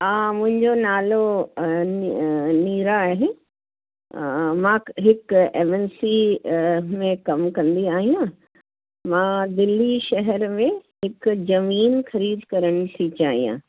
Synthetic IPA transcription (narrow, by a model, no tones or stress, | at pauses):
ãːmʊ̃ɦɪ̃ɲd͡ʑonaːlonniːɾaɦẽ | mãːɦɪkemɛnsi | mẽkɐmkɐ̃nd̪iaːɦijãː | mãːd̪ɪlːiʃɐɦəɾmẽɦɪkzɐmiːnxɐɾiːd̪kɐɾəɽ̃̆sʰit͡ɕaːɦḭjã̰ː